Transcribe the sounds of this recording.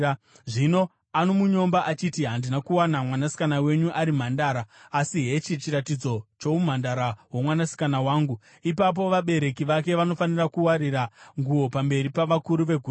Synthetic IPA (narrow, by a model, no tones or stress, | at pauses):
ʐino̞ | anomuɲo̞mbaʔat͡ʃitiɦandinakuwanamwanasi̥kanawe̞ɲuʔaɾim̤andaːɾaːsiɦe̞t͡ʃit͡ʃiɾatid͡zo̞t͡ʃo̞um̤andaɾawamwanasi̥kanawaːŋɡu | ipap̬o̞ʋaɓe̞ɾe̞kiʋake̞ʋano̞fanirakuwaɾiɾaŋɡuo̞pambe̞ɾipaʋakuɾuʋe̞ɡʱuː